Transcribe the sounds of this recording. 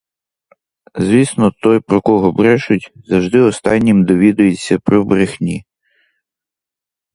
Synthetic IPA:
zʋʲisnɔt̪ɔjpɾɔkɔɦɔbɾɛʃʊtʲzɐwʒd̪ɪɔst̪ɑnʲːimd̪ɔʋʲid̪ʊjet͡sʲːɐpɾɔbɾɪxnʲi

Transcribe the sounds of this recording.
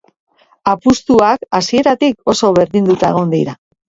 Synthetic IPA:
apust̪uakasie̞ɾat̪iko̞so̞βe̞ɾðind̪ut̪ae̞ɣ̞o̞nd̪ḭɾa

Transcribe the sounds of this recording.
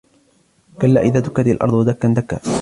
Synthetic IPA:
kalːaːʔɪðaːt̪ʊkːat̪alʔɑ̰ɾˤd̪ˤwad̪akːand̪akːa̰ː

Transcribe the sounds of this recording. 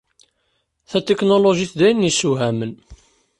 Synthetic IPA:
θæt̪eknoloʒiθd̪æjənːisuɦæmən

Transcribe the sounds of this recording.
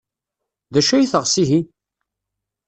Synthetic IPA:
ðæʃæjiθəʁsiɦi

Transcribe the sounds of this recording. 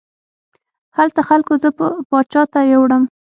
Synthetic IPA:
halt̪axalkozəpəpɑd̪̚t͡ʃɑt̪ajewɽəm

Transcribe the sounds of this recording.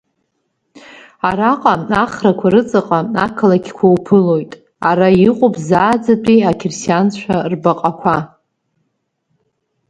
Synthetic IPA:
aɾaqʼaaχrakʷʰaɾɨt͡sʼɨqʼaakʰalaɡʲʰkʷʰawpʰɨlo̞jtʼ | aɾaiqʷʼopʰʼzaːd͡zadʼiakʰɪrsjant͡ɕʷt͡ʃʷʰarbaqʼakʷʰa

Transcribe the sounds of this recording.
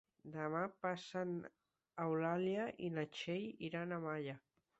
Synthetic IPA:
d̪əmapasən | awlaljaʔinat͡ʃejiɾanamaʎa

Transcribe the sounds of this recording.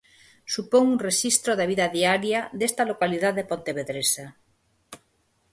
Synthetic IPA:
supoŋunreʃist̪ɾoðaβ̞iðaðiaɾjaðest̪alokaliðaððepont̪eβeðɾesa

